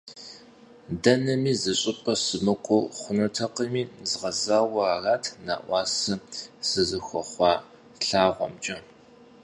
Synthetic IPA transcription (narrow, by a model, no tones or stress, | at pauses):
dɐnɐmiːzɨɕʼɪpʼɐsɨmɨkʷʼʊχʷʊnɐtʰɐqəmiːzʁɐzaːwɐraraːtʰna̰ːʔʷɑːsɨsɨzɨxʷɔχʷɑː | ɬaːʁʷɔ̰mt͡ʃʼɐ